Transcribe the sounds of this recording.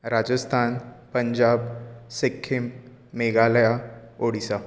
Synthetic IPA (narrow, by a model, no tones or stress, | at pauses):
ɾad͡ʑəst̪ʰanpəɲd͡ʑabsekʰːimː | eɡaləjaoɽisa